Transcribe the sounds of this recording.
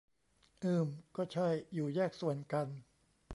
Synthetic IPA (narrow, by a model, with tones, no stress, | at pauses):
ʔɯː˧˩mkɔː˥˩t͡ɕʰa˥˩jːuː˨˩jɛː˥˩k̚su˨˩ənka˧n